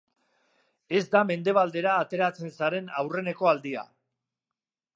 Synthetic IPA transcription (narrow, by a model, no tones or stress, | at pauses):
e̞zd̪ame̞nd̪e̞β̞ald̪e̞ɾaːt̪e̞ɾat͡se̞nsaɾe̞nawre̞ne̞ko̞ald̪ia̰